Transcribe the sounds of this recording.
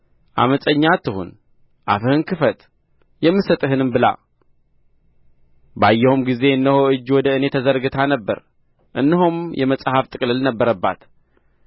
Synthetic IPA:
ʔa̰məsʼəɲːat̪ʰːɨhṵn | ʔa̰fɨhɨnkʰɨfət̪ | jɛmːɨsət̪ʼɨɦɨnɨmbɨla̰ | bajːɛhumɡize̞ɨnːəhoɨd͡ʒːwɔd̪əɨne̞t̪ʰəzəɾɡɨt̪ʰanəbːə̰ɾ | ʔɨ̰nːɨɦumjɛməsʼhaft̪ʼɨkʼlɨlnəbːəɾəbːa̰t̪

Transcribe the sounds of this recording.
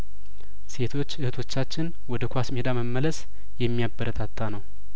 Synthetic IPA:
se̞t̪ʰo̞t͡ʃːɨhɨt̪ʰo̞t͡ʃːat͡ʃːɪn | wɔd̪əkʷasmed̪aməmːələs | jɛmːijabːəɾət̪ʰat̪ʰːanəw

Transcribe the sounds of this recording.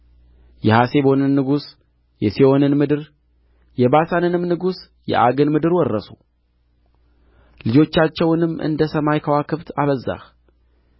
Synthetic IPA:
jɛhase̞βo̞nɨnːɨɡus | jɛsio̞nɨnmɨd̪ɨɾ | jɛbasanɨnɨmnɨɡus | jɛ̰ʔaɡɨnmɨd̪ɨɾwɔrːə̰su | lɨd͡ʒo̞t͡ʃːat͡ʃːɛwnɨmːʔɨ̰nd̪əsəmajkʰəwakʰɨβt̪ʰaβəzːa̰x

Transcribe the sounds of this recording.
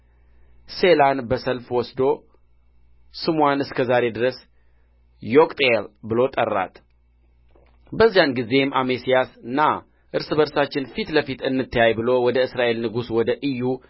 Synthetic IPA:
se̞lanbəsəlfwɔsd̪o̞ | sɨmwanɨskʰəzaɾe̞d̪ɨɾəs | jokʼt̪ʼelbɨlo̞t̪ʼə̰rːa̰t̪ʰ | bəzːijanɡize̞mʔamesijasɨnːa | ʔɨɾsɨβəɾsat͡ʃːɪnfit̪ləfit̪ɨnːɨt̪ʰːəjajbɨlo̞wɔd̪əɨsɾaʔe̞lnɨɡuswɔd̪əʔɨjːu

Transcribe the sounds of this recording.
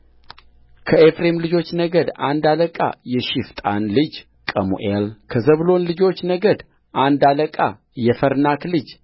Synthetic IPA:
kʰəefɾemlɨd͡ʒo̞t͡ʃːnəɡəd̪a̰nd̪aləkʼa̰jɛʃɪft̪ʼa̰nlɨd͡ʒ | kʼəmṵʔelkʰəzəβlo̞nlɨd͡ʒo̞t͡ʃːnəɡəd̪ | ʔand̪aləkʼa | jɛfəɾnaklɨd͡ʒ

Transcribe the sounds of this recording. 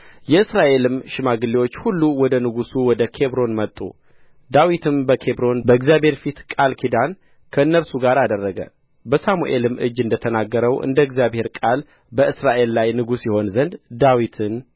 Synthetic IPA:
jɛɨsɾaʔe̞lɨmʃɪmaɡɨlːiwo̞t͡ʃːhulːuwɔd̪ənɨɡusuwɔd̪əkʰe̞βɾo̞nmət̪ʼːṵ | d̪awit̪ʰɨmbəkʰe̞bɾo̞nbəɨɡzjaβhe̞ɾfit̪kʼalkʰid̪an | kʰəɨnːəɾsuɡaɾad̪ərːəɡə̰ | bəsamṵʔe̞lɨmʔɨ̰d͡ʒːɨnd̪ət̪ʰənaɡːəɾəwʔɨ̰nd̪əɨɡzjaβhe̞ɾkʼal | bəʔɨsɾaʔe̞lːajnɨɡusjɪho̞nzənd̪d̪awit̪ʰɨn

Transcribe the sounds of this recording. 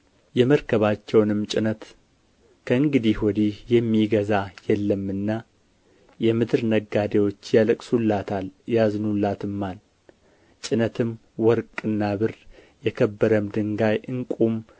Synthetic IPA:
jɛməɾkʰəβat͡ʃːɛwnɨmt͡ʃʼɪnət̪ | kʰəɨŋɡɨd̪ihwɔd̪ihjɛmːiɡəzajɛlːəmːɨnːa | jɛmɨd̪ɨɾnəɡːad̪ewo̞t͡ʃːjaləkʼsulat̪aljaznulːat̪ɨmːan | t͡ʃʼɪnət̪ʰɨm | wɔɾkʼɨnːaβɨr | jɛkʰəbːəɾəmd̪ɨŋɡajʔɨŋkʼum

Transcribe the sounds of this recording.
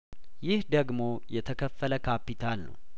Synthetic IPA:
jɪhd̪əɡmo̞jɛt̪ʰəkʰəfːələkʰapit̪ʰalnə̰w

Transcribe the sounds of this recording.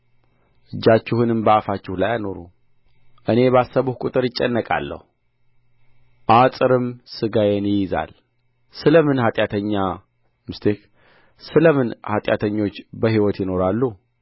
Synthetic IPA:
ʔɨd͡ʒːat͡ʃːɪhɨnɨmbəafat͡ʃːɪhlajajno̞ɾu | ʔɨne̞βasːəβuhkʷʼut̪ʼɨɾɪt͡ʃʼːɛnːəkʼa̰lːə̰hu | ʔasʼɨɾɨmsɨɡajenjɪjɪza̰l | sɨləmɨnhat̪ʼjat̪ʰəɲːa | mɨst̪ʰek | sɨləmɨnhat̪ʼja̰t̪ʰəɲːo̞t͡ʃːbəɦiwɔt̪jɪno̞ɾalːu

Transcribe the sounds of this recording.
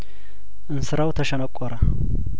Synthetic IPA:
ʔɨnsɨɾawt̪ʰəʃɐnəkʷʼːɔɾɐ

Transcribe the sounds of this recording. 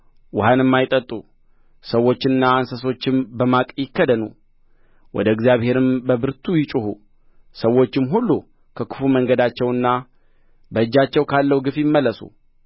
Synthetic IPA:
wʊhanɨmːajt̪ʼət̪ʼːu | səwːo̞t͡ʃːɪɨnːaːnsəso̞t͡ʃːɪmbəmakʼjɪkːəd̪ənu | wʔɔ̰d̪əɛɡzijaβhe̞ɾɨmbəbɨɾt̪ʰujɪt͡ʃʼuhu | səwːo̞t͡ʃːɪmɦulːu | kʰəkʰɨ̥fuməŋɡəd̪at͡ʃːɛwɨnːa | bəɨd͡ʒːat͡ʃːɛwkʰalːəhuɡɨfjɪmːəlːəsṵ

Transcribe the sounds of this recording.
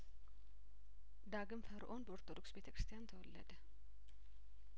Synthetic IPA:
d̪aɡɨmfəɾʔo̞nbəoɾt̪ʰod̪o̞ksbe̞t̪ʰəkɾɨ̥st̪ʰijant̪ʰəwɔlːə̰d̪ə

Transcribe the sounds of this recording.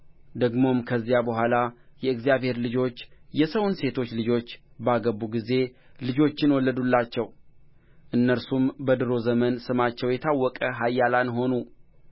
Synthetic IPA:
d̪əɡmo̞mkʰəzːijabəɦʷalajɛɨɡzijaβhe̞ɾlɨd͡ʒo̞t͡ʃːjɛsəwnse̞t̪ʰo̞t͡ʃːlɨd͡ʒo̞t͡ʃː | baɡəbːuɡize̞ | lɨd͡ʒo̞t͡ʃːɪnwɔlːəd̪ulːat͡ʃːɛw | ʔɨnːəɾsumbəd̪ɨɾo̞zəmənsɨmat͡ʃːɛwjɛt̪ʰawːɔkʼəɦajːalanɦo̞nu

